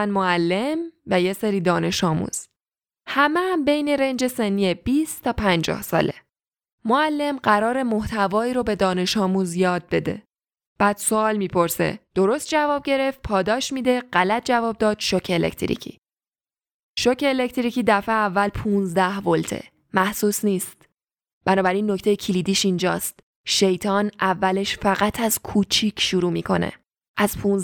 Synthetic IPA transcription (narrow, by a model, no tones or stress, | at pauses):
ænmoælːe̞mvæje̞seɾiːd̪ɒːne̞ʃɒːmṵːz̥ | hæmeæmbe̞jne̞ɾe̞nd͡ʒe̞se̞nːiːeb̥iːst̪ʰɒːpʰænd͡ʒɒ̰ːhsɒ̰ːlḛ | moælːemɢæɾɒːɾe̞moht̪ʰævɒːiːɾobe̞d̪ɒːne̞ʃɒːmuːzjɒːd̪̚be̞d̪e̞̰ | b̥æːd̪̥soɒːlmiːpʰo̞ɾsḛd̪̥o̞ɾo̞st̪̚d͡ʒævɒːb̚ɟe̞ɾeft̪̚pʰɒːd̪ɒːʃmiːd̪e̞ɢælæt̪̚ʰd͡ʒævɒːb̚d̪ɒːd̪̥ʃocʰeːlḛct̪ʰɾḭcʰḭː | ʃocʰe̞ːle̞ct̪ʰɾiːciːd̪æfeævːælpʰuːnzd̪æhvolt̪ʰḛ | mæhsuːsniːst̪ | b̥ænɒːbæɾinːo̞cʰt̪e̞jecʰiliːd̪iːʃind͡ʒɒ̰ːst̪ | ʃe̞jt̪ʰɒːnævːæle̞ʃfæɣæt̪ʰæz̥kʰuːt͡ʃʰiːcʰʃuɾuːmiːkʰo̞̰nḛ | ʔæz̥pʰun